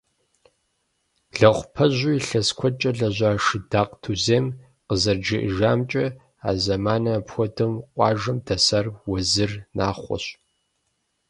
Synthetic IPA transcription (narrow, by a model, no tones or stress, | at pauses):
ɮɐχʷpʰɐʑʷujiɬɐskʷʰɔt͡ʃʼɐɮɐʑʷaːʂɨdaːqtʰuzeːm | qəzɐrd͡ʒɪʔʒaːmt͡ʃʼɐ | a̰ːzɐmaːnɐːpxʷɔdɨmqʷʼɑːʒɐmdɐsɐrwɔzɨrnaːχʷɔ̰ɕ